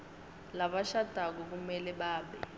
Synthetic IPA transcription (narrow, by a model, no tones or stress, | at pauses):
laɓaʃad̥ʱak̬ɔk̬umɛlɛɓaːɓɛ